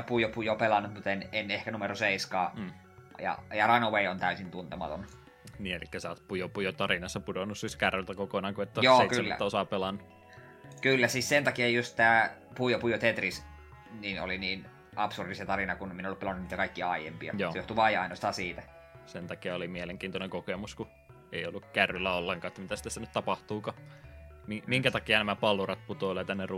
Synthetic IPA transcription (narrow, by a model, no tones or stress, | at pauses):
ɑpuijopujopelɑnːut̪mut̪enenehkænumeroseiskɑː | jɑ̰jɑrɑnoʋeiont̪æysint̪unt̪emɑ̰t̪o̰n | niːelḭkːæsɑːˑt̪pujopujot̪ɑrinɑsːɑpudonːussiskærːelt̪ækokonɑːŋkuet̪ːæjosːeitkyselmːæ̰t̪ːæosɑpelɑnːu | kylːæsissent̪ɑkiɑjjust̪t̪æːpuijopujot̪et̪ris | niːno̰liniːn | ʔɑpsurdiset̪ɑɾinɑkunminolːupelɑnuniːt̪ækɑikːiɑɑijḛmpiɑ̰joːejoht̪uʋɑjɑ̰inost̪ɑːsiːt̪æ | sent̪ɑkiɑolimieleŋkiːnt̪oneŋkokemusku | eiolːukkærːylːæolːeŋkɑːet̪ːæmit̪æsi̥t̪æstænyt̪ɑpɑht̪uːkɑ | mimiŋkæt̪ɑkiɑnæmæpɑlurɑt̪̚put̪oˑlɑt̪ænːer